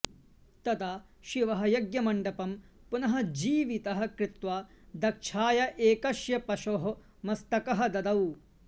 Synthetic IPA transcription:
t̪ɐd̪a | ʃiʋɐɦɐ̆jɐɡjɐmɐɳɖɐpɐmpunɐɦɐ̆d͡ʒiːʋit̪ɐɦɐkɾɪt̪ʋaː | d̪ɐkʃʰaːjɐʔeːkɐʃjɐpɐʃoːɦɐ | mɐst̪ɐkɐɦɐ̆d̪ɐd̪ɐw

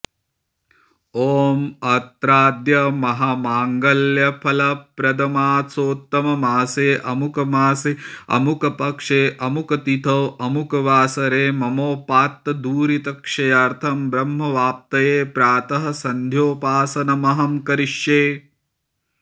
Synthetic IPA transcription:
oːmɐt̪ɾaːd̪jɐmɐɦɐmaːŋɡɐljɐpʰɐlɐpɾɐd̪ɐmaːsoːt̪ːɐmɐmaːseːʔɐmukɐmaːseɐ̰mukɐpɐkʂeːʔɐmukɐt̪it̪ʰɐːʔɐmukɐʋaːsɐɾeːmɐmoːpaːt̪ːɐd̪uːɾit̪ɐkʂɐjɐɾt̪ʰɐmbɾɐmɦɐʋaːp̚t̪ɐjeːpɾaːt̪ɐɦɐ̆sɐnd̪ʱjoːpaːsɐnɐmɐɦɐmkɐɾiʃjeː

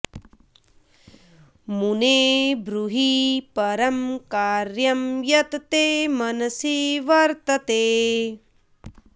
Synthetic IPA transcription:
muneːbɾuɦipɐɾɐmkaːɾjɐmjɐt̪t̪eːmɐnɐsiʋɐɾt̪ɐt̪eː

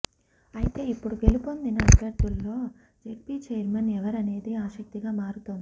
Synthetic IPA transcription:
ɐjit̪e̞ːipːuɽuɡe̞lipo̞nd̪inɐɐbʱjɐɾt̪ulːo̞ː | d͡ʒeɾpiːt͡ʃɛjɐɾmɐnɛʋɐɾɐne̞ːd̪iaːʃɐk̚t̪iɡaːmaːɾut̪ond̪i̥

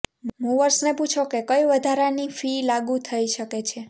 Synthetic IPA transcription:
mũʋəɾsneput͡ʃʰokekəjʋəd̪ʱaɾanifilaɡũt̪ʰəiʃəket͡ʃʰe

